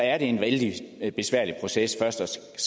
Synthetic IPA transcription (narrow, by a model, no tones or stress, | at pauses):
æɐɾ̥e̝enʋeld̥ib̥e̝sʋæɐ̰lipʰʁo̝sesfɶɐsd̥ɒs | s